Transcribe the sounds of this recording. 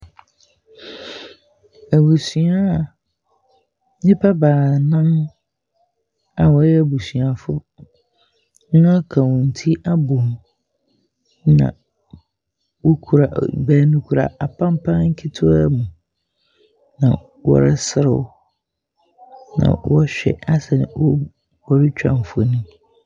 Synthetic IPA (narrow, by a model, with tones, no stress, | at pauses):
æ˨bu˨sũ˨a˦˨ | ɲɪ̃˦pʰa˦baː˨nã˦m | a˨wɔ˨˦jɛ˦æ˨bu˨sĩ˨a˨fʊ˦ | ã˦kʰa˨wʊ̃˨n̩˨tʰi˦ʔa˦bo˨m | nã̰˨ | wo˦kʰu˨ɾa˨bæː˦nũ˦kʰu˦ɾa̰˨ʔa˨pʰã˦m˦pʰã˦n˦ŋ̩˦kʰɪ˦tʰʊ˦mũ˨ | nã̰˨ | wɔ̰˨ɾɪ̰˦sɪ˦ɾɪ̰˨w | nã̰˨wɔ˦ɕᶣɛ̰˨a˦sɛ˨ñ˨wɔ˦ | b̥ɔ˨ɾɪ˦t͡ɕᶣã̰˨m˨fʊ˨nĩ˦